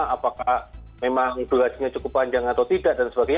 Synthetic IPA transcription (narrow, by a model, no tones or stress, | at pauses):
apakahmemaŋb̥əɾasɲat͡ʃukʊpːaɲd͡ʒaŋat̪awt̪idaʔdansəbaɡaj